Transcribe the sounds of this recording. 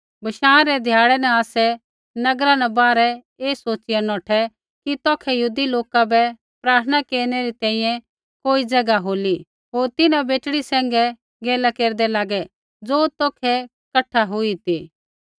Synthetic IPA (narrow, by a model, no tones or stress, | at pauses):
bʱɐʃãːɾɛd̪ʱjaːɽɛnɛ̃aːsɛ | nɐɡɾãnɛ̃baːɾɛ | eːsoːt͡ʃɪjanɔːʈʰɛ | kit̪ɔːkʰɛjɦuːd̪iloːkabɛ | pɾaːɾt̪ʰnakeːɾnɛɾit̪ɛ̃ːĩjɛ̃ | koːid͡zɐɡaɦoːli | ɦoːɾt̪ɪnãbeːʈɽisɛ̃ːŋɡɛ | ɡeːlakeːɾd̪ɛlaːɡɛ | d͡zoːt̪ɔːkʰɛ | kɐʈʰːaɦʊit̪iː